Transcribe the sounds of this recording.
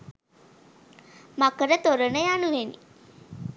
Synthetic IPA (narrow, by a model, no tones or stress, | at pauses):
makəɾət̪oɾənəjanuʋenḭ